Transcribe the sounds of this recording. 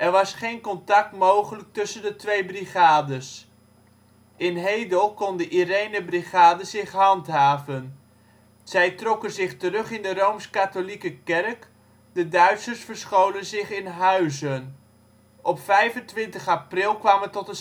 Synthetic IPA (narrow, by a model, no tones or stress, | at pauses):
ʔɛɹʋɑsχejnkɔntɑk̚tmowχələk̚tɵsəndətʋejbriχaːdəs | ʔɪnɦejdəlˠkɔndəʔirejnəbriχaːdəzɪχɦɑntɦaːvən | z̥ɛjtrɔkənzɪχtərɵχɪndərowmskatolikəkɛrk | dədœɥtsəɹsfəɹsχowlənzɪχɪnɦœɥzən | ʔɔpfɛjvəntʋɪntəχaprɪlˠkʋaːmətɔtə